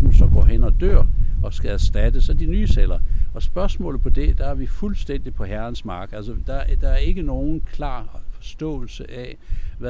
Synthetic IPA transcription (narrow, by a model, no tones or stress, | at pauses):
sɒɡ̥ɒ̰ːɦenɒ̽d̥øɐ̰ɒ̽sɡ̥ææsd̥æd̥əsɒd̥inyːselɐɒ̽sb̥ɶɐsmɔ̰̽ːlð̩ˠpʰɒ̽d̥e̝d̥ɑ̈æɐʋifulsd̥en̰d̥ipʰɒ̽hæɐnsmɑ̈ːɡ̥ælsəd̥ɑd̥ɑ̈æɐe̝ɡ̥əno̝ːn̩kʰlɑ̰̈ːfɒ̽sd̥ɔ̰̽ːl̩səʔæʋæ